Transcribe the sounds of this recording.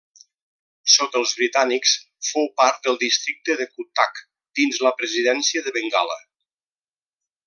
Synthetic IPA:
sot̪əlˠzβɾit̪aniks | fowpaɾt̪̚d̪əlˠd̪ist̪ɾik̚t̪əðəkut̪ak | d̪̥inzləpɾəziðɛnsiəðəβəŋɡa̰lə̰

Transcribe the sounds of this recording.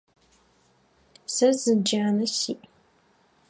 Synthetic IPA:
sɐzɨd͡ʒaːnɐsiːʔ

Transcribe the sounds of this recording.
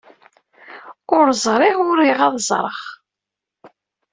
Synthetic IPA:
ʊɾzˤɾˤiʁʊɾiʁɑðˤzˤɾˤə̰χ

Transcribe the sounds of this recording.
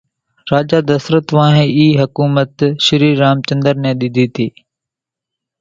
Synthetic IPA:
ɾaːd͡ʒaːd̪əsɾət̪ʋãːɦẽːiːɦəkuːmət̪ʃɪɾiːɾaːmt͡ʃə̃nd̪əɾnɛ̃ːɗɪd̪ʱiːt̪ʰiː

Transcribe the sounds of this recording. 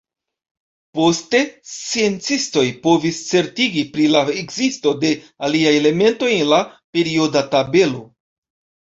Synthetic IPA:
po̞ste̞st͡sie̞nt͡sisto̞jpo̞vist͡se̞ɾtiɡipɾilaekzisto̞de̞ | aliajele̞me̞nto̞jenlape̞ɾio̞databe̞lo̞

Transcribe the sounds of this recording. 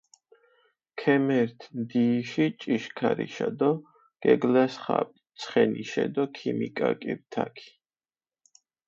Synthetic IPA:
kʰɛmɛɾt̪ʰmd̪iːʃit͡ʃʼiʃkʰaɾḭʃad̪ɔ | ɡ̥ɛɡlasχapʼt̪sʰχɛniʃɛd̪ɔkʰimikʼakʼibt̪ʰakʰi̥

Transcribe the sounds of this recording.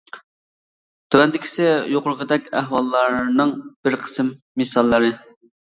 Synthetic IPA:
t̪ʰøwɛnd̪ɪkʲʰi̥sɪjoqʊɾʁəd̪ɛkʲæɦwɑlˠːɑɾnɨŋb̥ɪɾqʰə̥sɨmːesɑlˠːɨɾɨ

